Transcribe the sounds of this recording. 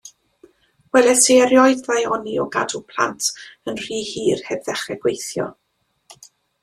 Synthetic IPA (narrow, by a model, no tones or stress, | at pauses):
wɛlɛseɾjɔɨððajɔniɔɡadupʰl̥ˠa̰ntʰənr̥iːhiːrhɛbðɛχɛɡ̥wejθjɔ̰